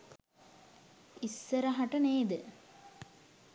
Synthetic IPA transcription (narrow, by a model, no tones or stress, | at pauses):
isːəɾəɦaʈəneːd̪ə